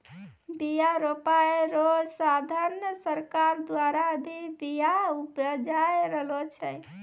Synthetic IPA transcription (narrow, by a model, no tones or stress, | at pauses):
bijaɾopaeɾosad̪ʱaɾnsəɾkaɾd̪waɾabʱibijaupəd͡ʒaeɾəɦlot͡ʃʰɛ